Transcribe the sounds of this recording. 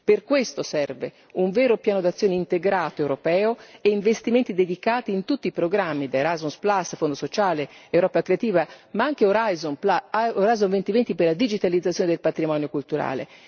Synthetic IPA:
perkwest̪osɛrve | uɱvɛːɾopjaːnod̪at̪sːjoːneint̪eɡɾaːt̪oewɾopɛːoeiɱvest̪iment̪id̪ed̪ikaːt̪iːnt̪ut̪ːiːpɾoɡɾamːid̪eɾajzunsplasːfond̪osot͡ʃaːleewɾɔːpakːɾeat̪iːvamaaŋk̟eoɾazooɾajzonvent̪ivent̪iperlad̪id͡ʒit̪alid̪zat̪sːjoːned̪elpat̪ɾimɔnjokult̪uɾa̰ːlḛ

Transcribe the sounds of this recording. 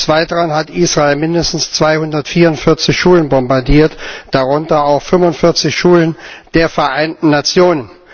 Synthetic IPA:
t͡sv̥aɪtʁanɦatʔiːsʁ̥aelmɪndəstn̩st͡sv̥aɪhʊndɐtfiːɐʊntfɪɐt͡sɪçʃuːlənbɔmbaɐdiːɐtd̥aʁʊntɐaʊxfʏmʊntfɪɐt͡sɪçʃuːlənd̥eːɐfɛɐʔaɪntn̩nat͡sjoːnən

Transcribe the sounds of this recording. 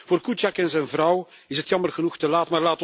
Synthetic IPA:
v̥oːrkut͡ʃakɛnzɛjnvrɑw | ɪsɦətjɑmərɣənuxtəlaːtmaːrlaːt

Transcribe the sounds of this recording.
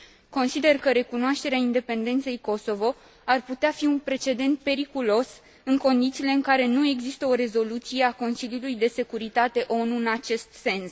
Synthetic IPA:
ko̞nsid̪e̞rkəɾe̞kunoaʃt̪e̞ɾeaind̪e̞pe̞nd̪e̞nt̪se̞jko̞so̞vo̞ | arput̪eafiunpɾe̞t͡ʃe̞d̪e̞nt̪̚pe̞ɾikulo̞s | ɨŋko̞nd̪it̪siːle̞ɨŋkaɾe̞nue̞ɡzist̪əo̞ɾe̞zo̞lut̪sije̞ako̞nsiljulujd̪e̞se̞kuɾit̪at̪e̞ʔo̞nuɨnat͡ʃe̞st̪se̞ns

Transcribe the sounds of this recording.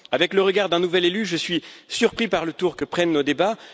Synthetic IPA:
avɛkləʁəɡaʁd̪ɛ̃nuvɛlelyʒəsɥisyʁpχipaʁlət̪uʁkəpχɛnːod̪eba

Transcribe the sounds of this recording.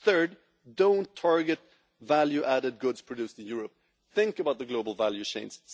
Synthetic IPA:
θɜ˞d̚ | dõʊ̃ntʰɑɹɡɨt̚ | vælˠjʉʔæɾɨd̚ɡʊdz̥pʰɹ̥ɨdʉsɨ̃njʊɹəp̚ | θɪ̃ŋkəbaʊt̪̚ðəɡloʊbl̩ˠvælˠjʉʃẽɪ̃nz̥

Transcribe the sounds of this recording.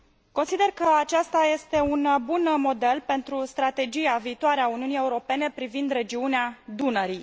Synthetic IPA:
ko̞nsid̪e̞rkəat͡ʃast̪aje̞st̪e̞unbunmo̞d̪e̞lpe̞nt̪ɾust̪ɾat̪e̞d͡ʒiaviːt̪oaɾeauniunije̞uɾo̞pe̞ne̞pɾivind̪ɾe̞d͡ʒiunead̪unəɾi

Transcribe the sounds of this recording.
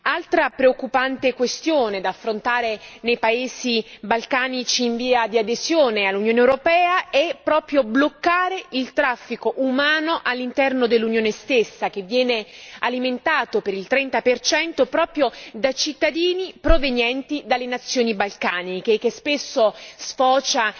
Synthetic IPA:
alt̪ɾapɾeokːupant̪ekwest̪joːned̪afːɾont̪aːɾenejpaeːzibalkaːnit͡ʃiːɱviːad̪iad̪ezjoːnealːunjoːnewɾopɛːaɛpːɾɔːpɾjoblokːaːɾeʔilt̪ɾafːikoʔumaːnoʔalːint̪ɛrnod̪elːunjoːnest̪esːak̟evːjɛːnealiment̪aːt̪opeɾilt̪ɾɛnt̪apert͡ʃɛnt̪opɾɔːpɾjod̪at͡ʃit̪ːad̪iːnipɾovenjɛnt̪id̪alːenat̪sːjoːnibalkaːnikekːespesːosfɔːt͡ʃa

